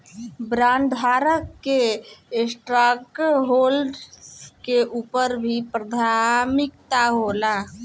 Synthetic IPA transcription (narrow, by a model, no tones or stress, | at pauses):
bɾãɳɖɦaɾəkːeesʈɾakɦolɖkeʔuːpəɾbʱipɾəd̪ʱamɪkt̪aɦola